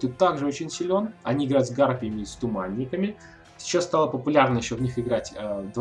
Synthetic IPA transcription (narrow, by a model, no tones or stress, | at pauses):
t̪ut̪ːaɡʐɨo̞t͡ɕɪnʲsʲɪlʲo̞nɐnʲiɪɡɾajt̪zɡarpʲɪjəmʲɪst̪ʊmanʲːɪkəmʲɪ | sʲt͡ɕːost̪alˠəpəpʊlʲarnəjɪɕːovnʲixɪɡɾatʲəd̪v